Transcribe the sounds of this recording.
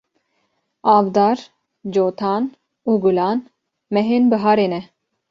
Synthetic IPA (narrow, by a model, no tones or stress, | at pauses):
ɑːvd̪ɑːɾ | d͡ʒoːt̪ʰɑːn | uːɡulɑːn | mɛɦeːnbɨɦɑːɾeːnɛ